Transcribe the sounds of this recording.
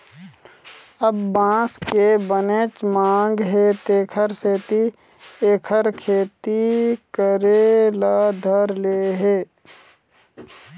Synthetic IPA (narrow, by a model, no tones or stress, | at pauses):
əbːãːskebənet͡ʃmãːŋɡɦet̪eːkʰəɾseːt̪i | eːkʰəɾkʰeːt̪ikəɾelad̪ʱəɾleːɦeː